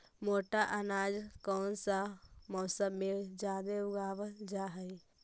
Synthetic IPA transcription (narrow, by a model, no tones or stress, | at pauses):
moːʈaʔanaːd͡ʒkɔːnsamɔːsəbmẽd͡ʒjaːd̪eʊɡaːbəd͡ʒaɦəi